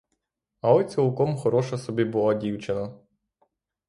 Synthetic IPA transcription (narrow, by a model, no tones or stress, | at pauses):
ɐɔt͡sʲɔlˠkɔmxɔɾɔʃɐsɔbʲibʊlˠɔdʲiwt͡ʃenɐ